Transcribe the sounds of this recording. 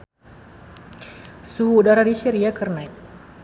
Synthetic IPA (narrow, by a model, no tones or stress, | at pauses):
suɦuːdaɾadiʃɛɾiakərnajt̪̚